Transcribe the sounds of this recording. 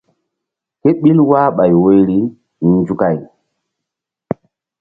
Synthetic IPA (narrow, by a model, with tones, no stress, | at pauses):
ke˦ɓi˦lwaː˦ɓa˨jwo˦jɾi˦ | n˨˦nd͡ʒu˦ka˦˨j